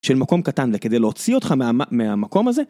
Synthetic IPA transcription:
ʃelmako̞mkat̪anveked̪ejleot͡sio̞t̪χamameamako̞maze

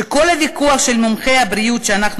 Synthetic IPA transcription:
ekolhavikuaχʃelmomχejhabɾiutʃeanaχn

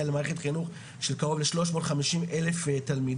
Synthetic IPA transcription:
alemaːʁeχetχinuχ | ʃelkaʁo̞vleʃlo̞ʃmo̞tχamiʃimʔe̞le̞ftalmid

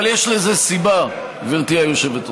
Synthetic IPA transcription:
aljeʃleze̞siba | viʁt̪iajoʃe̞vet

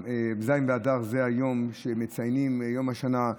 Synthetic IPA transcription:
ebzajimveadaʁzeajo̞mʃemet͡sajnimjo̞maʃana

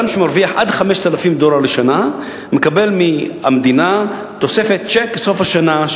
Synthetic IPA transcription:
amʃemaʁviaħʔa̰d̪χame̞ʃt̪alafimd̪o̞laʁleʃana | mekabe̞lmiamd̪ina | t̪o̞se̞fet̪̚t͡ʃekso̞fhaʃana

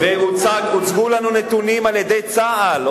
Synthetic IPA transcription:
veut͡saɡut͡sɡulanunet̪unimaljed̪ejt͡saʔal

